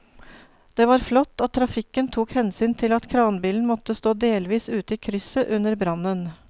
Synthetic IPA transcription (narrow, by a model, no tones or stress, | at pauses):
d̪̥eːʋɑːɾflɔt̪ːɑt̪ʰːɾɑfɪkːənt̪ʰuːkhɛnsyːnt̪ʰɪlɑt̪kʰɾɑːnbiːln̩mɔt̪ːəst̪oːd̪eːlʋiːsʉːt̪əikʰɾʏsəʔʉnəɾbɾɑnən